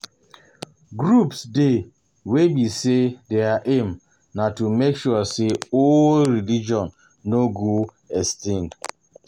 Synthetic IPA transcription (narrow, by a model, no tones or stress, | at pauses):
ɡɾupsde | webisedeaʔem | natumekʃuaseolɾilid͡ʒɔ̃n | noɡu | ɛstĩnd